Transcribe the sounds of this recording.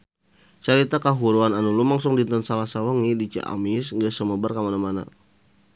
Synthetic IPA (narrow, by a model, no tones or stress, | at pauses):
t͡ʃaɾit̪akaɦuɾuananulumaŋsʊŋdint̪ənsalahsawəŋidit͡ʃa̰ʔa̰misŋɡəsəməbərkamanamana̰